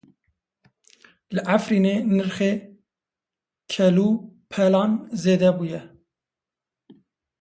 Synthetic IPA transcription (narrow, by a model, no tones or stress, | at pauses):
lɨʔæfɾiːneːnɨɾxe | kʰɛluːpʰɛlɑːnzeːd̪ɛbuːjɛ